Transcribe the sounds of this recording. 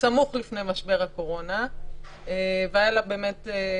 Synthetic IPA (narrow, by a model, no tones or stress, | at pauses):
samuχlifnejmaʃbe̞ʁhako̞ʁo̞na | eveajalabeːme̞te